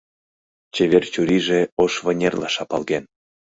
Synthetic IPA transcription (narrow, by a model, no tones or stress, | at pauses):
t͡ɕeβʲert͡ɕuɾiʒeoʃvə̆nʲerlɑ̰ʃɑpɑlˠɣen